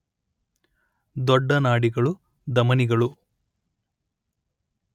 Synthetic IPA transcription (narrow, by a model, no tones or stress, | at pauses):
d̪ɔɖːɐnaːɽiɡɐɭu | d̪ɐmɐniɡɐɭu